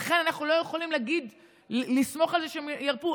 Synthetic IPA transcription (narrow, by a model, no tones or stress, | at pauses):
χe̞nanaχnulo̞jeχolimleaɡid̪ | lismo̞χalzeʃeemjaʁpu